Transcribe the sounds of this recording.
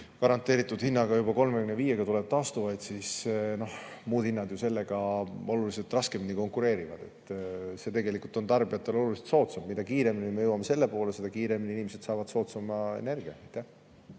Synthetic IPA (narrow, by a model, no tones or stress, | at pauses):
kɑɾɑnt̪ːˑe̞ːɾit̪ːˑud̪̥hinːɑɡɑjubɑko̞lmekynːeviːje̞ɡ̥ɑt̪uleb̥̚t̪ɑːst̪uvɑjd̪sisno̞hmuːd̪hinːɑd̪juse̞lːeɡ̥ɑo̞luliselt̪rɑske̞mniko̞ŋkuɾe̞ːɾivɑd̪̥e̞̰t̪ˑːse̞t̪e̞ɡe̞likult̪o̞nt̪ɑrbijɑt̪ːˑe̞lo̞lulise̥t̪so̞ːt̪sɑmmid̪̥ɑkiːɾe̞minimejɤwɑme̞se̞lːepo̞ːlese̞d̪ɑkiːɾe̞miniinimese̞t̪sɑːvɑd̪so̞ːt̪sɑmɑḛne̞rɡiɑɑjt̪ːæh